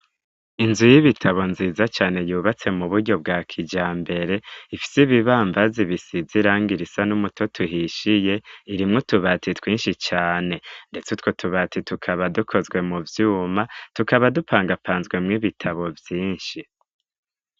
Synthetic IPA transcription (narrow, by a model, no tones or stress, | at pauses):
inzujiβitʰaβo̞nziːzat͡ʃaːne̞juːβat͡se̞muβuɾɟo̞bɡaːkʰid͡ʒaːmbe̞ɾe̞ifi̥siβiβaːmbaziβisiziɾaːŋɡiɾisanumutʰo̞tʰuɦiʃije̞iɾimŋotuβatʰitwiːnʃit͡ʃaːne̞nde̞t͡sutwotʰuβatitukʰaβadukʰo̞zɡwe̞muvjuːmatukaβadupaːŋɡapaːnzɡwe̞mŋiβitʰaβo̞vjiːnʃi